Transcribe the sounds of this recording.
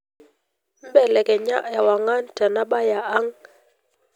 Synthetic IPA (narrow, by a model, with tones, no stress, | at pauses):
m̩˦bɛ˨lɛ˨kɛ˨ɲa̰˦ʔɛ˨wa˨ŋa˦nta˨na˦ba˦ja˨a˦ŋ